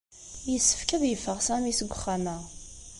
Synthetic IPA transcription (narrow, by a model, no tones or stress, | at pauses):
jəsːə̥fkəðjəfːəʁsæmisəɡʷːʊχːamæ